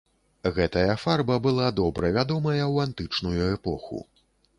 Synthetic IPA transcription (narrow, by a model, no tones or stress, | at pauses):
ɣɛt̪ɐjɐfarbɐbɨlˠad̪ɔbɾɐvʲad̪ɔmɐjɐwant̪ɨt͡ʂnujuɛpɔxṵ